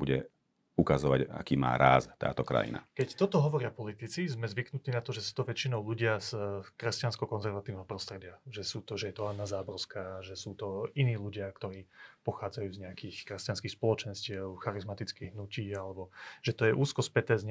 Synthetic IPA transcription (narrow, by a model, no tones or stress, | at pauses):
buɟɛ̰ | ukazɔʋa̰ɟa̰kiːma̰ːɾa̰ːzt̪a̰ːt̪ɔkɾa̰jḭna̰kɛct̪ɔt̪ɔɦɔʋɔɾɪapɔlit̪it͡sizmɛzʋiknut̪iːnat̪ɔʒɛsu̥t̪ɔʋɛt͡ʃinɔʊluɟɪazkɾɛscanskɔkɔnzɛɾʋat̪iʊnɛɦɔpɾɔst̪ɾɛɟɪaʒɛsuːt̪ɔʒɛjɛt̪ɔɦad̪naːzaːbɔrskaːʒɛsuːt̪ɔiniːʎuɟɪak̚t̪ɔɾiːpɔxaːd͡zajuːzɲɛakiːxkɾɛscanskiːxspɔlɔt͡ʃɛnscɪɛʊxaɾizmat̪it͡skiːɣɦnuciːalɛbɔʒ̥ɛt̪ɔjɛʔuːskɔspɛt̪ɛːzɲɛ